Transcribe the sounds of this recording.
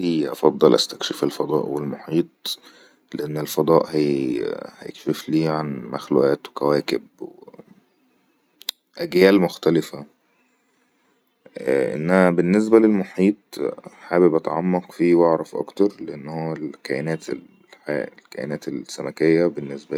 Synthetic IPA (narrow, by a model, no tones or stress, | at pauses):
iʔɑ̰fɑd̪ˤːɑlʔæ̰st̪ækʃefelfɑd̪ˤɑ̰ːʔwelmoħiːt̪̚ˤ | leʔenːelfɑd̪ˤɑːʔhæ | hæjḛkʃefliːʕanmæxlṵːʔæːt̪wekæwæːkebwe | ʔæɡjæːlmoxt̪ælɪfæ | ʔḛnːæhæbenːes̬bælelmoħiːt̪̚ˤħaːbebʔɑt̪ɑʕɑmːɑqfiːwɑʕɾˤɑfʔɑ̰kt̪ɑɾˤleʔenːhowːælkæʔenæːt̪e | ħa̰lkæ̰ʔḛnæːt̪elsːæmækejːæbenːesbæ